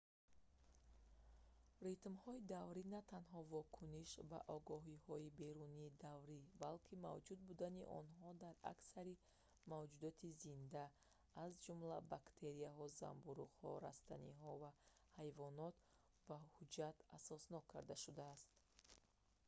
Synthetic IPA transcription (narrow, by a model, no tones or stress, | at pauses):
rit̪mhɔid̪avɾinat̪ʰanɦɔvɔkʰuniʃba̰ʔɔɡɔɦihɔibe̞ɾuniːd̪avɾibalkʰima̰vd͡ʒud̪̚bud̪aniʔɔ̰nɦɔd̪aɾa̰ksaɾi | mavd͡ʒud̪ɔt̪ʰizind̪aː | zd͡ʒumlabakt̪ʰe̞ɾiaɦɔza̰mbuɾuqhɔ̰ɾa̰st̪a̰nḭɦɔvahajvɔnɔt̪ | bahud͡ʒat̪asɔsnɔkʰːa̰ɾd̪aʃud̪aːst̪